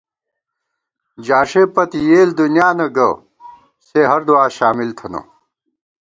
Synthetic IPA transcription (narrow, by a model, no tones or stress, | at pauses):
d͡ʑaːʂeːpɐt̪ijeːld̪unjaːnɐɡɐ̰ | seɦɐɾd̪uaːɕaːmilt̪ʰɐnɐ̰